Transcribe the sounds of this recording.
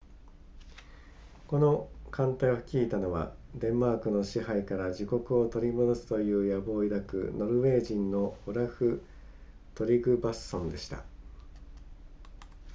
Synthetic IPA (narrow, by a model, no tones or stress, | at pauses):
ko̞no̞kãnt̪aiokʲiːt̪ano̞βa̰d̪ẽ̞mːaːkɯ̟no̞ɕiɦaikaɾaʑiko̞kɯ̟o̞t̪o̞ɾʲimo̞d̪o̞sɨ̥t̪o̞jɯ̟ːjabo̞ːid̪akɯ̟̰no̞ɾɯ̟βe̞ːʑĩnːo̞oɾaɸɯ̟ | t̪o̞ɾʲiɡɯ̟basːõ̞nd̪e̞ɕi̥t̪a̰